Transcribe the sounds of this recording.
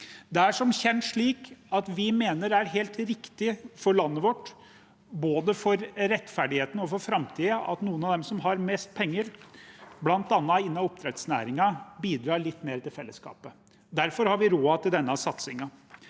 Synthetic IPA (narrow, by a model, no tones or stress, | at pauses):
d̪ɛæʂɔmçɛnʂɭiːkɑt̪ʋɪmeːnəɾæɾɦeːlt̪ɾɪkt̪ɪfɔɾɭɑnːəʋɔʈː | boːd̪əfɔɾɾɛt̪ːfæɖɪheːt̪ənɔfɔɾfɾɑmt̪ʰiːəʔɑ̰t̪nuːənɑd̪ɛmsɔmɦɑɾmɛst̪̚pʰɛŋːəɾ | blɑnt̪ɑnːɑɪnːɑɔp̚t̪ʰɾɛt̪snæ̰ːɾɪŋɑbiːd̪ɾɑːɭɪt̪ːmeːɾət̪ɪlfɛlːəskɑ̰ːpə | d̪æɾfɔɾhɑɾʋɪɾoːɑt̪ɪld̪ɛnːɑsɑt̪sɪŋɑ